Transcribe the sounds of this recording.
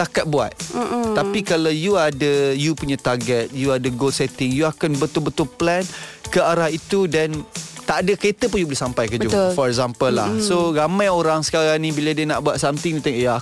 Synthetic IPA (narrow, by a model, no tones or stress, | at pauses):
t̪akat̪̚bua̰t̪̩̚t̪ːapikalawjuadəjupuɲat̪aɡɛt̪̚juadəɡolsɛt̪ɪŋjuakanbət̪ulbət̪ʊlplankəaɾahit̪udant̪aʔdəkəet̪əpʊnjubolehsampajkəbəd͡ʒuufɔɾɛkzampəlːa̰hsoɾamãjoɾaŋsə̥kaɾaŋnibilədiənaʔbuat̪̚samt̪ɪŋnit̪ãŋja